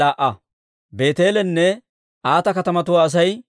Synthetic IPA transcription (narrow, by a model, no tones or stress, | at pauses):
aːʔɐ | be̞ːt̪e̞ːlɛnːɛ | ʔaːt̪ɐkɐt̪ɐmɐt̪ʊwaːs̬ɐj